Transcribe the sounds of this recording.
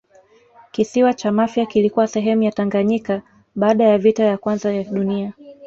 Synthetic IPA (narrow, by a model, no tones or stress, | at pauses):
kisiwat͡ʃamafjakilikuwasɛɦɛmujataŋɡaɲika | ɓaːɗajavitajakwanzajaɗunia